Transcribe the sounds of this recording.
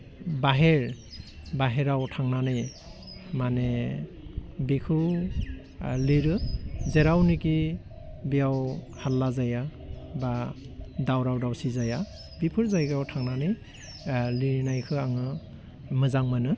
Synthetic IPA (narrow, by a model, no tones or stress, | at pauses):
baɦeɾbaɦeɾawtʰaŋnanɯj | mane | bikʰɯ | liɾɯzeɾawniki | bijaw | halːazaja | ba | dawɾawdawsizaja | bipʰɯɾzajkʰɯawtʰaŋnanɯj | liɾnajkʰɯaŋɯ | mɯzaŋmɯnɯ